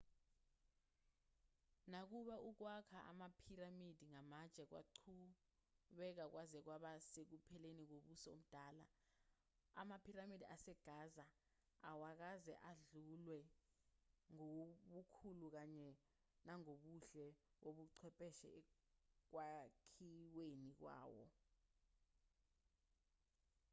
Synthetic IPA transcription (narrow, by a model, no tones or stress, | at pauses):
nak̬uɓaʔuk̬wakʰaʔa̰mapʰiramid̥ʱiŋamat͡ʃʼɛk̬wa̰ǃʰu | ɓɛk̬ak̬wazɛk̬waɓasek̬upʰɛlenik̬oɓusɔo̰m̩d̥ʱaːla̰ | a̰mapʰiramidʱiasɛɡ̥ʱaːza | awak̬azɛʔaɮulwɛ | ŋoɓukʰuluk̬aɲɛ | naŋoɓuɬɛoɓuǀʰɛpʼɛʃɛ̰ɛ | k̬wakʰiwenik̬wa̰ːwɔ̰